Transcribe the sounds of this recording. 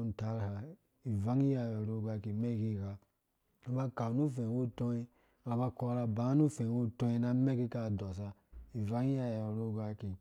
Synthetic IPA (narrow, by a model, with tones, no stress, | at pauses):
n̩˨ta˨˦ɾha˨ | i˨va˦ŋi˦ja˨jɔ˨ɾo˦˨ɡʷa˧ki˨me˦˨ki˦˨ka˨ | o˦ba˦ka˨nu˦fe˨wo˦˨to˦i˦ | a˨ba˦kɔ˦ɾa˧ba˨˦nu˦˨fe˨wo˦to˦ji˦na˦me˦ki˦ka˦˨dɔ˨sa˧i˨va˦ŋi˦ja˨jɔ˨ɾo˦˨ɡa˦ki˨